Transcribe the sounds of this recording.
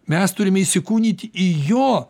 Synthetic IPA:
mʲɛst̪ʊɾʲɪmʲɛiʃsʲɪkuːnʲit̪ʲijoː

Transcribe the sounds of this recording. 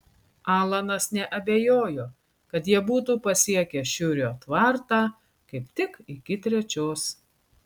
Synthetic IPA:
ɑːlˠɐnɐsnʲɛʔɐbʲejoːjoː | kɐt̪jiɛbuːt̪uːpɐsʲiɛkʲɛʃʲʊɾʲoːt̪ʋɐɾt̪ɑː | kɐɪpt̪ʲɪkɪkʲɪt̪ʲɾʲɛt͡ʃʲoːs

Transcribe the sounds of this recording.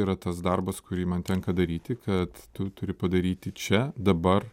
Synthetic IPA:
iɾɐt̪ɐsd̪ɐrbɐskʊɾʲiːmɐnt̪ʲɛŋkɐd̪ɐɾʲiːt̪ʲɪkʰɐt̪tʊt̪ʊɾʲɪpɐd̪ɐɾʲiːt̪ʲɪt͡ʃʲɛd̪ɐbɐr

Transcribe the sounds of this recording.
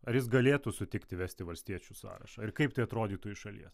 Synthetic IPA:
ɐjɪs̬ɡɐlʲeːt̪ʊsʊt̪ʲɪkt̪ʲɪʋʲæːsʲt̪ʲɪʋɐlʲsʲt̪ʲiɛt͡ʃʲusɑ̰ːɾɐ̰ʃɑːɪɾkɐɪpt̪ɐɪɐt̪ɾoːd̪ʲiːt̪uʊɪʃɐlʲḭɛs

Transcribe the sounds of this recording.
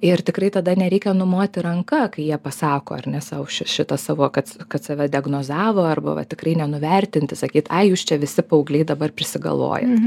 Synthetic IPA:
ɪrt̪ʲɪkɾɐɪt̪ɐd̪ɐnʲɛɾʲɛɪkʲɛnʊmoːt̪ʲɪɾɐŋkɐkɐɪjiɛpɐsɑːkoːɐ̰rʲnʲɛsɑːʊʃʲɪʃʲɪt̪ɐsɑːʋoːkɐt̪skɐt̪sʲɛʋʲɛd̪ʲɪɛɡnoːzɑːʋoːɐrbɐ̰ʋɐ̰t̪ʲɪkrɐɪnʲɛnʊʋʲɛɾʲt̪ʲɪnʲt̪ʲɪsɐkʲiːt̪ɐɪjuːst͡ʃʲɛʋʲɪsʲɪpɐʊɡlʲɛɪd̪ɐbɐrpʲɾʲɪsʲɪɡɐ̰lˠʋo̰ːjɛt̪

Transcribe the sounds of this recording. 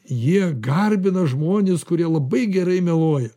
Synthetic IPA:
jiɛɡɐrʲbʲɪnɐʒmoːnʲeskʊɾʲiɛlˠɐbɐɪɡʲɛɾɐɪmʲɛlˠoːjɛ

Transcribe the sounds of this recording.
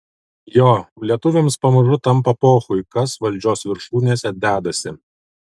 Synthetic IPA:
joːlʲiɛt̪ʊʋʲɛmspɐmʊɾʊt̪ɐmˑpɐpoːxʊɪkɐsʋɐlʲd͡ʒʲoːsʋʲɪɾʃuːnʲeːsʲɛd̪ʲæːd̪ɐsʲɪ

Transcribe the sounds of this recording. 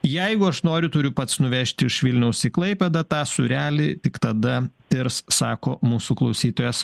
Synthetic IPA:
jɛɪɡʊɐʃnoːɾʲʊt̪ʊɾʲʊpɐt̪snʊʋʲɛʃʲt̪ʲɪɪʃʋʲɪlʲnʲɛʊsiklˠɐɪpʲɛd̪ɐt̪ɑːsʊɾʲæːlʲɪt̪ʲɪkt̪ɐd̪ɐt̪ʲɪɾssɑːkoːmuːsuklˠɐʊsʲiːt̪oːjɛs

